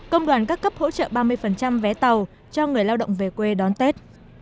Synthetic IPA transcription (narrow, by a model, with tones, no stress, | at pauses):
kə˧wŋ͡mɗwaː˨˩nkaː˦˥kːə˦˥p̚ho̰˧˥t͡ɕə̰ː˧˨ɓaː˧mɨ˧əjfə˨˩nt͡ɕa˧mvɛ˨˦t̪ə˨˩w | t͡ɕɔ˧ŋɨ˨˩əjlaː˧wɗə̰˧˨wŋ͡mve˨˩kwe˧ɗɔ˨˦nt̪e˦˥t̚